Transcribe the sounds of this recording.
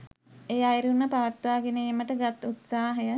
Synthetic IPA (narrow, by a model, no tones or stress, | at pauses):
ejajɾunːəpaʋat̪ʋaːɡeneːməʈəɡat̪ut̪saːɦəjə